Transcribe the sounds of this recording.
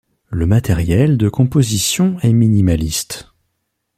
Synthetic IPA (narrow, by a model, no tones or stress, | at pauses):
ləmat̪ɛʁjɛld̪əkɔ̃pozisjɔ̃ɛminimalist̪